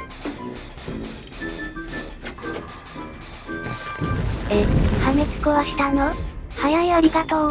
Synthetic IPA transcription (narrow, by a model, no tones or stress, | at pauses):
ehamet͡sɨ̥koβaɕi̥t̪anohajaiaɾʲikat̪ao